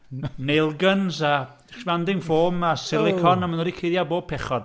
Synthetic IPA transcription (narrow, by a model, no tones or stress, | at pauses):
nelˠɡənza | ʃvandɪŋfoːmasɪlˠɪkʰɔnamanɔːdikʰejðjaboːb̚pʰɛχɔd̥